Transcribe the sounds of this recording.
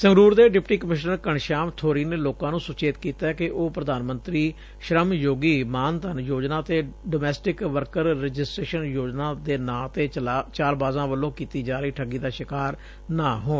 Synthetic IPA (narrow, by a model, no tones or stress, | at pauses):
səŋɡɾuːɾd̪eːɖɪpʈiːkəmɪʃnəɾkəɳʃaːmt̪ʰoːɾiːneːloːkãːnũːsʊt͡ʃeːt̪kiːt̪aːkɪʔoːpɾəd̪aːnmənt̪ɾiː | ʃɾəmjoːɡiːmaːnt̪ənjoːd͡ʒnãːt̪eːɖoːmɛːsʈɪkʋəɾkəɾɾɪd͡ʒɪsʈɾeːʃənjoːd͡ʒnãːd̪eːnãːt̪eːt͡ʃaːlbaːzãːʋəlːõːkiːt̪iːd͡ʒaːɾəiːʈʰəɡiːd̪aːʃɪkaːɾ | naːɦoːn